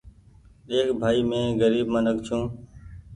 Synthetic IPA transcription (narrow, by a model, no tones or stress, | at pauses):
eːkbʱaːiːmẽːɡəɾiːbmənək̚t͡ʃʰũː